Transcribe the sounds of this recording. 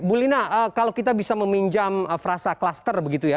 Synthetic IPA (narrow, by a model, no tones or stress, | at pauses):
bulinaəkalakit̪̬abisaməmiɲd͡ʒaməfɾasaklast̪ərbəɡit̪uja